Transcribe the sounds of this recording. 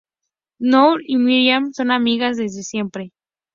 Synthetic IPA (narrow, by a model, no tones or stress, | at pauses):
nowɾimiɾjamso̞namiɣazðe̞zðe̞sje̞mpɾe̞